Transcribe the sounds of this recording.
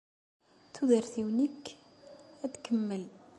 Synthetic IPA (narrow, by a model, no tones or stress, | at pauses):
t̪ʰud̪əɾθiwnik | æt̪kʰəmːəl